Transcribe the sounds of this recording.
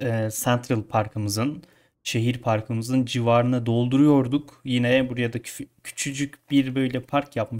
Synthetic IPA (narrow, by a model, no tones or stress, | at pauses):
ɛsænt̪ʰɾɯlˠpʰaɾkʰɯmɯzɯn | ʃe̞ɦiɾpʰaɾkʰɯmɯzɯnd͡ʒivaːɾɯnad̪o̞lˠd̪uɾujo̞ɾd̪ukjinɛbuɾjad̪acʰy̥t͡ʃʰyd͡ʒycbiɾbø̞jlʲɛpʰaɾkjapmɯ